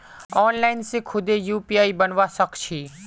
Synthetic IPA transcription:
ɔːnlaːɪnsẽkʰʊd̪ejuːpiaːibənʋasəkt͡ʃʰiː

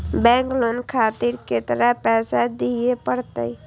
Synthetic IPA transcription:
bɛ̃ːŋklonkʰaːt̪iɾket̪əɾapɛːsad̪iepəɽt̪ə̰i

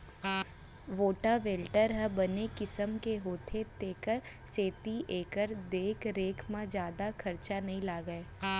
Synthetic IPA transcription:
ʋoːʈaʋeːlʈəɾɦɛbɐnekɪsəmkeɦoːt̪ʰet̪eːkəɾseːt̪iʔeːkəɾd̪eːkɾeːkʰmãd͡ʒjaːd̪akʰɐɾt͡ʃanɐɦĩlaːɡəeː

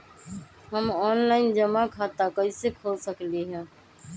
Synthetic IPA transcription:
ɦəmɔːnlaːɪnd͡ʒəmaːkʰaːt̪aːkəɪseːkʰoːsəkliːɦɛ̃ː

